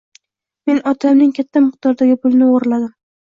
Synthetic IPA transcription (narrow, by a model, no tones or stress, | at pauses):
me̞nɒt̪ʰamnɪŋkʲʰat̪ʰːamɨq̚d̪̥ɒɾd̪aɡʲɪpʊlnɪoʁɾlad̪ɪm